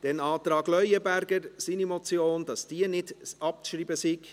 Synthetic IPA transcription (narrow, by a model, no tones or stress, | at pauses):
d̥enɑːt̪ɾɑːɡlœʏəbæɾɡəɾsinimɔt͡sjoːnd̥ɑsd̥iːnɪdɑp̚kʃɾiːbəsiɡ̥